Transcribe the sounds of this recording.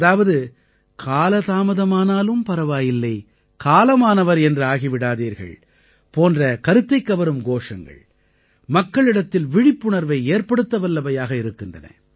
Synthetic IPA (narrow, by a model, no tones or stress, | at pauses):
ɐðaːʋɐðɯ | kʰaːlɐt̪aːmɐðɐmaːnaːlɯmpɐɾɐʋaːjɪlːɐɪ | kaːlɐmaːnɐʋɐɾɛndrɯaːɣiʋɪɽaːðiːɾɣɐ̰ɭ | poːndrɐkɐɾɯt̪ːɐɪkːɐʋɐɾɯmɡoːʂɐŋɡɐ̰ɭ | mɐkːɐɭɪɽɐt̪ːɪlʋɪɽɪpːʊɳɐɾʋɐɪeːɾpɐɽɯt̪ːɐʋɐlːɐbɐjaːɣɐɪɾɯkːɯndrɐ̰nɐ̰